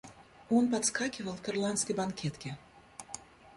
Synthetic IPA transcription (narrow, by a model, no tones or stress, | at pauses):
ɔnpat̪skakʲivɐlˠk̪ɐrlˠanskʲɐjbankʲɛt̪kʲi